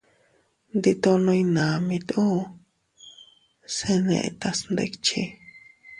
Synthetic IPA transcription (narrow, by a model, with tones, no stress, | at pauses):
nd̪i˧t̪o˧nõ˧i˧nã˨mĩ˧t̪u˦ | se˧nḛ̃˧ʔt̪a˧snd̪ḛ˧kt͡ʃi˧